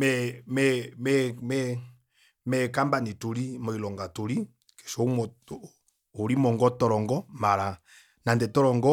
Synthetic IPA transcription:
mɛmɛmɛmɛ | mɛkambanituɾimɔilɔŋɡatuɾi | kɛ̥ʃɔmɔ | uɾimɔŋɡɔtɔɾɔŋɡɔmaɾa | nandɛtɔɾɔŋɡɔ

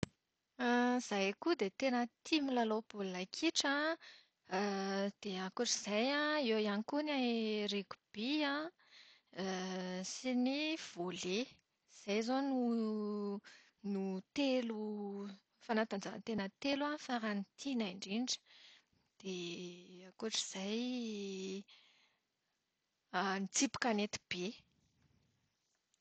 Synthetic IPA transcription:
z̥ajkud̪et̪enət̪imilalopolnakʰiʈ͡ʂa | d̪̥eakuʈ͡ʂəz̥ajãewianikunareku̥b̥iã | siniv̥ole | z̥ajzonu | nut̪elu | fanat̪and͡ʒa̰t̪enət̪elafaɾanit̪ʰinaɳɖ͡ʐiɳɖ͡ʐə̥ | d̪̥eakuaʈ͡ʂi̥z̥aj | anit͡sipi̥kanet̪i̥b̥e

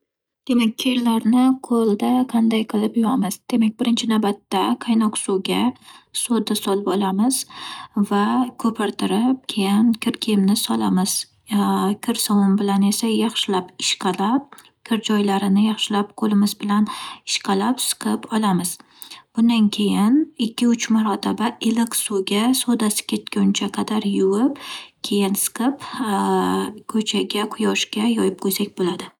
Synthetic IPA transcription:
d̪̥e̞mak̚ʲːʰeɾlaɾnɪqʰolˠd̪aqʰɑnd̪ajqʰɨlɪpjɒmɪzd̪̥e̞mak̚ʲbɪɾɪnt͡ʃʰɪnawbat̪ːaqʰɑjnɒqsoɡʲasod̪asɒlˠbɒlamɪz̥vakʰɵpʰɪɾt̪ʰɪɾɪp̚kʲʰejɪnkʲʰɪɾkʲʰemnɪsɒlamɪz̥ | kʲʰɪɾsɒwʊmbɪlane̞sajɑχʃɪlapɪ̥ʃqʰɑlap̚ | kʲʰɪɾd͡ʒɒjlaɾɪnɪjɑχʃɪlap̚qʰolɪmɪzbɪlanɪʃqʰɑlapsɨ̥qʰɨpɒlˠamɪz̥ | b̥ʊnd̪ankʲʰejɪnɪkʲːɪʊt͡ʃʰmaɾɒt̪ʰabaɪlɪqsuɡʲasod̪asɪ̥kʲʰe̞t̪kʲaʊnt͡ʃʰaqʰɑd̪aɾjʊwɪpkʲʰe̞jɪnsɨ̥qʰɨp | kʰɵt͡ʃʰaɡʲaqʰʊjɒʃkʲajɒjɪp̚qʰojsak̚ʲbolad̪ɪ

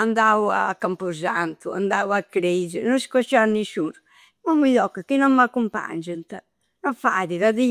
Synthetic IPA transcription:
and̪aua̰kːampuzant̪ua̰nd̪awakːɾed͡ʒɛɾnɔnsi̥kɔt͡ʃːanisuɾ | mɔmiʎɔkːakinɔmmakːumpa̰ɲd͡ʒunt̪a | nɔfaðiðaði

